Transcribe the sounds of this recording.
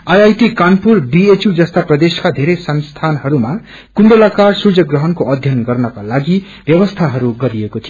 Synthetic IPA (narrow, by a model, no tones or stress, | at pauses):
ʌjajʈikanpurbiet͡sjud͡zʌst̪aprʌd̪eskad̪ʱeɾʌjsʌnst̪ʰanɦʌɾuma | kund̪elakarsud͡zʌɡrʌɦʌnkoʌd̪ʱjʌnɡʌrnʌkalaɡi | bjʌbʌst̪ʰaɦʌɾuɡʌɾiekot̪ʰijo